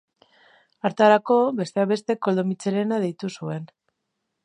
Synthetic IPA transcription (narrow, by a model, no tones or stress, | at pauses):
aɾt̪aɾako̞βe̞st̪e̞aβe̞st̪e̞ko̞ld̪o̞mit͡se̞ɾe̞nað̞ejt̪usue̞n